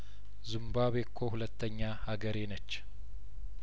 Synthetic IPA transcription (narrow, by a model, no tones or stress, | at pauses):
zɨmbaβekʰːohulət̪ːəɲːahaɡəɾenət͡ʃː